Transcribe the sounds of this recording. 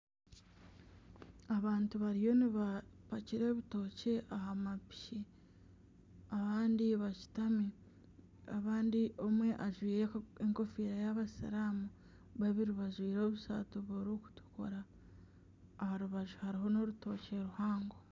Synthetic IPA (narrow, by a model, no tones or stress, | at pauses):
aβaːntuβaɾijo̞niβapaciɾe̞ːβito̞ceʔahamapi̥ʃi | aβaːndiβaci̥tami | aβaːndiʔo̞mwe̞ʔaʒwiːɾeeŋko̞fiːɾajaβasa̰ɾaːmu | βaβiɾiβaʒwiːɾo̞βusa̰tuβoɾoku̥tu̥ko̰ɾa | haɾuβaʒuhaɾiɦo̞no̞ɾuto̞ːceɾuhaːŋɡo